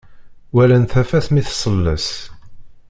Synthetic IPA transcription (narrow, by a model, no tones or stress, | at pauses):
wælænθæfæθmiθsˤəlːə̰s